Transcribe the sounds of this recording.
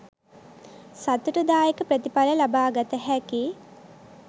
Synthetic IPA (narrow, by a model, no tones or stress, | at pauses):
sat̪uʈud̪aːjekəpɾət̪ipaləlabaːɡat̪əɦæki